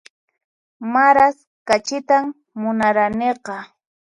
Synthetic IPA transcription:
maɾas | kat͡ʃɪt̪amː | ʊnaɾaneqɑ

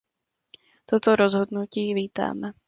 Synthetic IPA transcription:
t̪ot̪oɾozɦodnuciːviːt̪a̰ːmɛ

